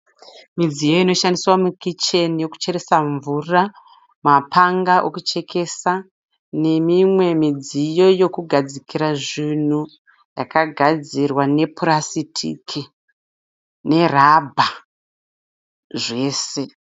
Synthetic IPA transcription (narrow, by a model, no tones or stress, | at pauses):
mid͡zijoino̞ʃandiswamukit͡ʃe̞nijo̞ku̥t͡ʃe̞ɾe̞saɱvura | mapʰaŋɡaʔokut͡ʃe̞kʰe̞sa | ne̞mimwe̞mid͡zijo̞jo̞kuɡʱad͡zikʰiɾaʐin̤u | jakaɡʱad͡zirwane̞purasitʰḭkʰi | ne̞rabʱa | ʐe̞ːse̞